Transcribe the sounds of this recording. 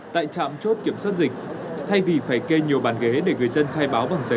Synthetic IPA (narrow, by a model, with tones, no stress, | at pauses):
t̪a̰ː˧˨jt͡ɕa̰ː˧˨mt͡ɕo˦˥t̚ki˧˩əmswaː˦˥t̚zï˨˩k̟̚t̪ʰa˧jvi˨˩faː˧˩jke˧ɲi˨˩əwɓaː˨˩nɣe˨˦ɗe˧˩ŋɨ˨˩əjzə˧nxaː˧jɓaː˨˦wva˨˩ŋzə˨˦